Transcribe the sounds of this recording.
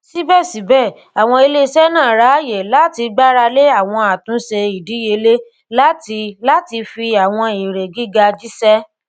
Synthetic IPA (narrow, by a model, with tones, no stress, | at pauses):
si˦bɛ˦˨si˨˦bɛ˦˨ | a˨w̃ɔ̃˧e˧le˦˧sɛ˦nãː˦˨ɾa˨˦˨je˨la˦ti˧ɡ͡ba˦ɾa˧le˦a˦˨w̃ɔ̃˧a˨tũ˨˦se˧i˨di˨˦je˧le˦ | la˦ti˧la˦ti˧fi˧a˨w̃ɔ̃˧i˨ɾe˨ɡi˦ɡa˧d͡ʒi˦sɛ˦